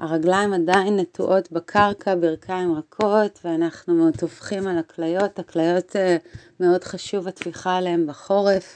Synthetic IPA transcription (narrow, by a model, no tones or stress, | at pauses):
ʔaʁaɡlaimadajinːetuʔo̞tbakʰaʁkʰabiʁkʰaimʁakʰo̞t̪veanaχnutofχimalaklajo̞taklajo̞te | meo̞dχaʃuvatfiχaleembaχo̞ʁe̞f